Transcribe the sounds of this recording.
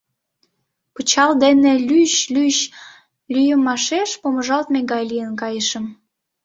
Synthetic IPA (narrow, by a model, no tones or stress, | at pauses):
pət͡ɕɑld̪enelyɕlyɕ | lyjəmɑʃeʃpoməʒɑlt̪meɣɑjlijənkɑjəʃəm